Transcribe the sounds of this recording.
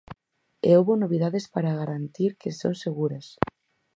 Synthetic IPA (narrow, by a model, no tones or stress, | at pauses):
ḛowβonoβiðaðespaɾaɣaɾant̪iɾkesonseɣuɾɐs